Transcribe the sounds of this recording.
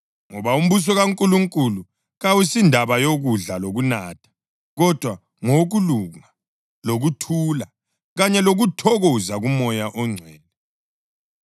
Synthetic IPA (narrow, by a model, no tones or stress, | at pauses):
ŋɔβaum̩βus̬ɔɣaŋkʼuluŋkʼulu | ɣawisindʱaβajoɣuɮaloɣunaːtʰḁ | ɣɔd̥ʱwa | ŋoɣuluŋa | loɣutʰuːla | ɣaɲɛloɣutʰɔɣɔzaɣumɔjaʔɔŋ͡ǀʱwɛːlɛ